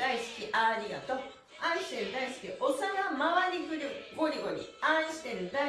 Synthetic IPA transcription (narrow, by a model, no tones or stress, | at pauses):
aisɨ̥kʲiʔaɾʲia̰t̪o̞ | aĩɕi̥t̪e̞ɾɯ̟d̪aisɨ̥kʲiʔosaŋamaβaɲʲikɯ̟ɾɯ̟ɡo̞ɾʲiɡo̞ɲ̟ḭãɕi̥t̪e̞ɾɯ̟d̪a